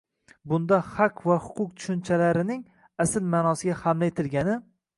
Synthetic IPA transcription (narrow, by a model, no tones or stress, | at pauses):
bʊnd̪ahaqvahʊ̥qʰʊq̚t̪ʰʊ̥ʃʊnt͡ʃʰalaɾɪnɪŋ | asɪlmaːnɒsɪɡʲahamlaet̪ʰɪlɡʲanɪ